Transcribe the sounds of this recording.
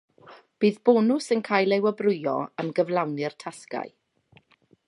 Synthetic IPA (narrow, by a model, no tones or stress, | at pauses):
b̥iːðb̥oːnʊsənkʰaːjlˠewəbrʊjɔ̰əmɡəvlawnɪrtʰaska̰j